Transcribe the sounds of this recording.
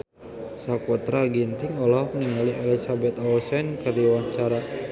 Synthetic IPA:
sakɔt̪ɾaɡint̪iŋɔlaɦfniŋaliʔɛlisabɛt̪awsɛnkərdiwaɲt͡ʃaɾa

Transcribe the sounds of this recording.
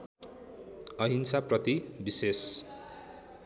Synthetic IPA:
ʌɦinsaprʌt̪ibises

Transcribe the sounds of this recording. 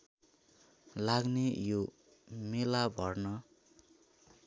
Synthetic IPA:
laɡnejo | melabʱʌrnʌ

